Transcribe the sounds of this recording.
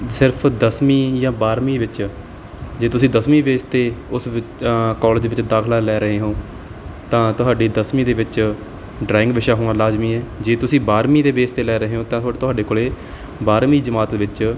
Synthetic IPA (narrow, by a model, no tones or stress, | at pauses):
sɪɾpʰd̪əsmiːjãːbaːɾmiːʋɪt͡ʃ | d͡ʒeːt̪ʊsĩːd̪əsmiːʋeːst̪eːʊsʋɪkaːləd͡ʒʋɪt͡ʃd̪aːkʰlaːlɛːɾəɦeːɦõː | t̪ãːt̪ʊɦaːɖiːd̪əsmĩːd̪eːʋɪt͡ʃ | ɖɾaːɪ̃ŋɡʋɪʃaːɦoːnãːlaːzmiːɛːd͡ʒeːt̪ʊsĩːbaːɾmiːd̪eːbeːst̪eːlɛːɾəɦeːɦõːt̪ãːt̪ʊaːt̪ʊɦaːɖeːkoːleː | baːɾmiːd͡ʒəmaːt̪ːʋɪt͡ʃ